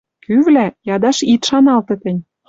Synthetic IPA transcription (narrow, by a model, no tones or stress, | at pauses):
kyvlæjɑd̪ɑʃit̪ʃɑnɑlt̪ɤ̆t̪ə̆nʲ